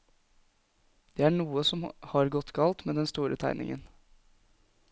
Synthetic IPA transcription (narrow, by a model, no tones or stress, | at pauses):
d̪̥eːæːɳuːəsɔmhɑɾɡɔt̪ɡɑlt̪meːd̪ɛnst̪uːɾʔə̰t̪ʰæ̰ɪnɪ̰ŋə̰n